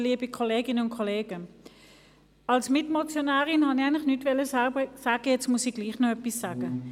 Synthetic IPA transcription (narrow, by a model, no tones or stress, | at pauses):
liːbikʰɔleːɡɪnəʊntkʰɔleːɡə | ɑlsmɪtmot͡sjonaːʁɪnhɑniaɪnlɪχnytvɛləsasaːɡ̥əjɛt͡stmʊsiɡ̥liːχnoœpisːaːɡ̥ə